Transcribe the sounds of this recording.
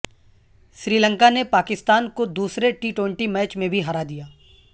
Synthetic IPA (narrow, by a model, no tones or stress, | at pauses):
ʃɾiːlə̃ŋkanepaːkɪst̪aːnkod̪uːsɾeʈiːʈwẽɪɳʈimɛːt͡ʃmẽbʱiɦaɾad̪ijaː